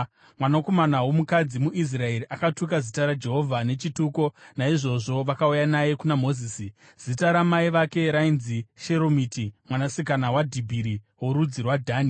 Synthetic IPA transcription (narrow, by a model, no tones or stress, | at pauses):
mwanako̞manawo̞mukad͡zimuʔis̬rae̞ɾiʔakatukazitaɾad͡ʒe̞ɦo̞vʱane̞t͡ʃituko̞naiʐo̞ʐo̞ʋakaujanaje̞kunamo̞ziːsi | z̥itaɾamaiʋake̞ɾainziʃeɾomitimwanasikanawadʱibʱiɾi | woɾud͡zirwadʱaːni